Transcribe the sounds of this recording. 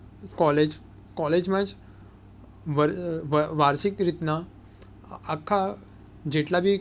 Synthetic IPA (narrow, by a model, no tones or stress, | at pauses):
kɔled͡ʑ | kɔled͡ʑmãd͡ʑ | ʋəɾʋʋaɾsikɾit̪naː | kʰːa | d͡ʑeʈlabʱi